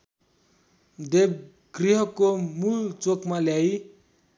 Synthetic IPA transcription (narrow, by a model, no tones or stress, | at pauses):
d̪eb̚ | ɡriɦʌkomult͡sokmaljaj